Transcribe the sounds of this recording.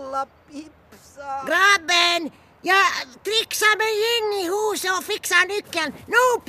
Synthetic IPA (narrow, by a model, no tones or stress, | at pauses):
ɑ | ipsɡrɑːbeːn | jɑt̪riksɑmenjinːihuːsoːfiksɑːnykːænnoup